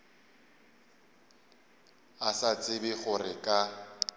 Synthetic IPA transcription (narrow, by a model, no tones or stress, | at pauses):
asat͡sʼɪbɪɣʊrɪkʼa